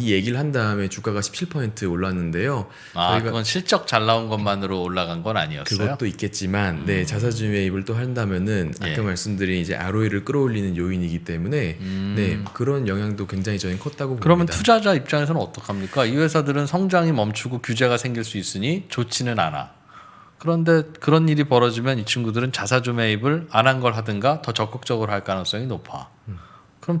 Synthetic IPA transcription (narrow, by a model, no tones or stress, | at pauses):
ije̞ɡiɾɯɭɦandaɯme̞t͡ɕuk͈aɣaɕʰi̥p̚t͡ɕʰiɭpʰʌentʰɯoɭːanːɯnde̞jo | aiɡaʌnɕʰiɭt͡ɕ͈ʌk̚t͡ɕaɭːaonɡʌnmanɯɾoːɭːaɡanɡʌna̰ɲiʌksɯɡʌtot͈oit̚k͈e̞t̚t͡ɕ͈imanːe̞t͡ɕasʰad͡ʑime̞ibɯɭt͈oɦandamjʌnɯna̰k͈ʰanmaɭs͈ɯmdɯɾiːd͡ʑe̞̰ʔa̰ɾoiɾɯɭk͈ɯɾʌoʎːinɯnjoiɲiɡit͈e̞mune̞ne̞kɯɾʌnjʌŋɦjaŋdokwe̞ŋd͡ʑaŋit͡ɕʌɲikʰʌt̚t͈aɡopokɯɾʌmjʌntʰud͡ʑad͡ʑaip̚t͡ɕ͈aŋesʰʌnɯnʌt͈ʌkʰamɲik͈aiwe̞sʰadɯɾɯnsʰʌŋd͡ʑaŋimʌmt͡ɕʰuɡokjud͡ʑe̞ɡasʰe̞ŋɡiɭs͈uis͈ɯɲit͡ɕot͡ɕʰinɯna̰na̰ | kɯɾʌnde̞kɯɾʌniɾipʌɾʌd͡ʑimjʌnit͡ɕʰuŋɡudɯɾɯnt͡ɕasʰad͡ʑume̞ibɯɭanɦanɡʌɭɦadɯnɡatʌt͡ɕʌk͈ʌk̚t͡ɕ͈ʌɡɯɾoɦaɭk͈anʌŋs͈ʌŋinopʰa̰ | kɯɾʌm